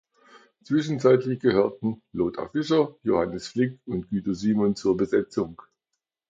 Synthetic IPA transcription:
t͡sv̥ɪʃn̩t͡saɪtlɪçɡ̥əhøːɐtn̩loːtʰa̰fɪʃɐjohanəsflɪkʊntɡ̥yːtɐziːmɔnt͡suːɐbəzɛt͡sʊŋ

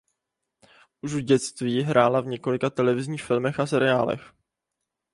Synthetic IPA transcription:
ʔuʃuɟɛt͡st̪viːɦɾʔaːlavɲɛko̞lɪkat̪ɛlɛvɪzɲiːxfɪlmɛxasɛɾɪaːlɛ̰x

